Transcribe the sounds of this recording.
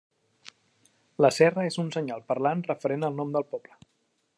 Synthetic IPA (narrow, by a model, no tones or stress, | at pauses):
ləsɛrəezunsəɲalˠpəɾlanrəfəɾenəlˠnɔmd̪əlˠpɔblə